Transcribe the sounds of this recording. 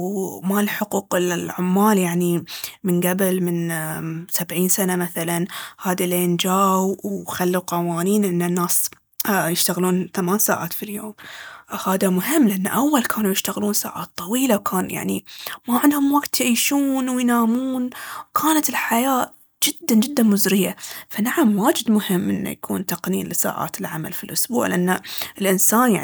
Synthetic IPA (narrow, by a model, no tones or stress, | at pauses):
wmalħʊquːqɪlʕʊmːaːljaʕnimɪnɡabɪlmɪn | sabʕiːnsanamaθalanhaːd̪ileːnd͡ʒaːwwxalːuqɑwaːniːnʔɪnːɪnːaːs | jɪʃt̪aɣluːnθamaːnsa̰ːʕa̰ːt̪filjoːmhaːðamʊɦɪmːlɪʔanːa̰ʔawːalkʰaːnujɪʃt̪aɣluːnsa̰ːʕa̰ːt̪ˤːɑwiːlawkʰaːnja̰ʕnḭmaʕɪnd̪hʊmwaɡt̪jʕiːʃuːnwɪjnaːmuːnwkʰaːnat̪ɪlħajaː | d͡ʒɪd̪ːand͡ʒɪd̪ːanmʊzɾɪjːafanaʕamwaːd͡ʒɪd̪mʊhɪmːʔɪnːa̰jakʰuːnt̪aqniːnlɪsa̰ːʕa̰ːt̪ɪlʕama̰lfilʔʊsbṵːʕlɪ̰ʔanːaɪlʔɪnsaːnja̰ʕ